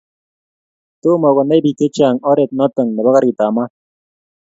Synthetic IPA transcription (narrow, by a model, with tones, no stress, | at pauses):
to˦mɔ˨ɡo˨na˦bi˨ke˦t͡ʃa˨ŋɔ˦ɾe˨t̪̚nɔ˦t̪ə˨ŋnə˨ba˦ɣa˦ɾi˨t̪a˨ma˦